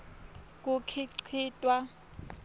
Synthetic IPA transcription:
k̬ʼukʰiǀʰiːtʼwa

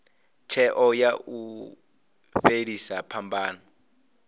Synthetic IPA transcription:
t͡ʃʰɛʔɔjau | veɺisapʰambaːnɔ

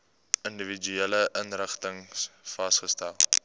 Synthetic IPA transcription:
əndivid͡ʒyeləʔənrəχtəŋfɐstχəstælˠ

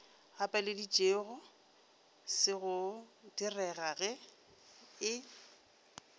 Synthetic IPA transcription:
apʼalɪdit͡ʃʼeːɣʊ | sɪɣʊdirɛɣaɣɛ | ɪ

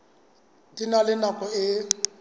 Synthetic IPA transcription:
tʼinalɪnakʼɔɪ

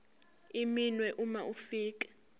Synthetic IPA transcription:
iminwɛʔumaʔufiːk̬ʼɛ̥

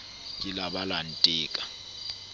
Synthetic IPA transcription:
kʼilaɓalantʼiːk̬ʼḁ

